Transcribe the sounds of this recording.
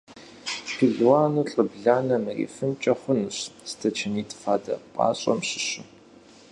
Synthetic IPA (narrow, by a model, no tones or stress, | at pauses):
pʰiɮwaːnuɬʼɨbɮaːnɐmɨrḭːfɨnt͡ʃʼɐχʷʊnɨɕstʰɐt͡ʃʰɐniːtʰfaːdɐ̰pʼa̰ːɕʼɐ̰mɕɪ̥ɕu